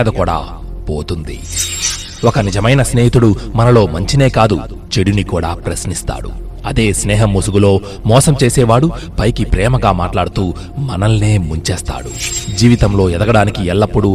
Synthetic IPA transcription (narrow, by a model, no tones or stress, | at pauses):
d̪ɐkuːɽa̰ː | po̰ːt̪und̪ḭ | ɔkɐnid͡ʒɐmɐjnɐsneːɦit̪uɽumɐnɐlo̞ːmɐɲt͡ʃine̞ːkaːd̪u | t͡ʃeɽunikuːɽa̰ːpɾɐsnist̪a̰ːɽṵ | ɐd̪e̞ːsnɛːɦɐmːusuɡulo̞ː | mɔːsɐmt͡ʃe̞ːsɛːʋaːɽu | pɐjkipɾɛːmɐɡaːmaːʈlaːɽut̪uː | mɐnɐlːeːmuɲt͡ʃeːst̪a̰ːɽṵd͡ʒiːʋit̪ɐmlo̞ːɛd̪ɐɡɐɽaːnikiɛlːɐpːuɽu